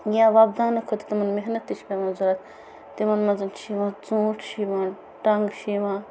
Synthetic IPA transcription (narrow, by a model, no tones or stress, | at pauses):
jãːʋab̚d̪aːnɐkʰot̪i̥t̪ɐmɐnmeɦnɐt̪ːit͡ʃʰkʲɐmɐnzuɾaːt̪ | t̪imɐnmɐzɐnʃʰiʋãːt͡sũːʈʰʃiːʋaː | ʈɐŋɡʃiʋãː